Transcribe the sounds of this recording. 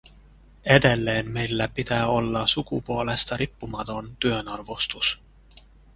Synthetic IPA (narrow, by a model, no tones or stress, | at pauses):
e̞d̪̥e̞lːe̞ːnme̞jlːæpit̪æolːɑsukṵpoole̞st̪ɑɾipːumɑt̪o̞nt̪yønɑrvost̪us